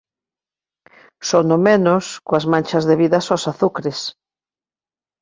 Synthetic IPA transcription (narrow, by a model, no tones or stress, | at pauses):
sonomenʊskoazmãnʲt͡ʃɐzðeβiðɐsosaθukɾɪs